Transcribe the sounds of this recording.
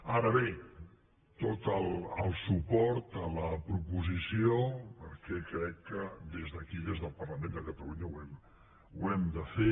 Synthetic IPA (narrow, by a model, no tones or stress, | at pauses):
aɾəβe | t̪ot̪əlˠəlˠsupɔɾt̪ələpɾupuzisiopəɾkɛkɾɛkːəd̪ezðəkiðezðəlˠpərləmẽnd̪əkət̪əluɲəwɛm | uɛmd̪əfe